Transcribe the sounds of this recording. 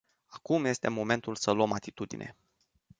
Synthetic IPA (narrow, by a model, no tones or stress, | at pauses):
akumje̞st̪e̞mo̞me̞nt̪ulsəluəmat̪it̪ud̪ḭnʔe̞̰